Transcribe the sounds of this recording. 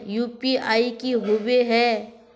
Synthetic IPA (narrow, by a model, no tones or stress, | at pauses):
juːpiaːikiɦoʋeɦɛː